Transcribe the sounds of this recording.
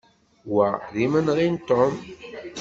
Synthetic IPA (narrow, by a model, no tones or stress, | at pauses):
waðimənʁint̪ɔm